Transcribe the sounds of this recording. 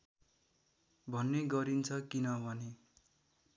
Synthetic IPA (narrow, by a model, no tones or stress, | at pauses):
bʱʌnːeɡʌɾint͡sʰʌkinʌbʱʌne